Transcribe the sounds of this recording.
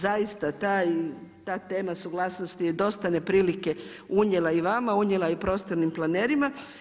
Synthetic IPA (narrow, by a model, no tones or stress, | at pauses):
zaist̪at̪aːjt̪aːt̪e̞ːmasuɡlˠaːsno̞st̪id̪o̞st̪ane̞pɾiːlike̞ | uɲelˠaiʋamauɲelaipɾo̞ːst̪oɾnimplˠaneːɾima